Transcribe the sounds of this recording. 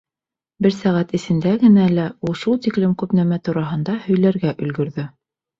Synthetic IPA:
bɘɾsæʁæt̪ɘ̆sɘ̆nd̪æɡɘ̆nælæulˠʃulˠt̪iklɘmkʉpnæmæt̪uɾɑɦɤ̆nd̪ɑhɵ̆jlæɾɡæʔɵ̆lɡɵ̆ɾðɵ

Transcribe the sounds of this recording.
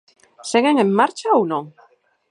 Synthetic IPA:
seɣeŋemmaɾt͡ʃaownõŋ

